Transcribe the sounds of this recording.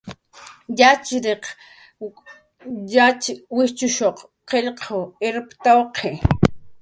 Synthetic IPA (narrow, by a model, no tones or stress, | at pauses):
jat͡ʃɾeq | jat͡ʃwɪt͡ʃʊʃoq | qeʎqʰoeɾpt̪awqʰe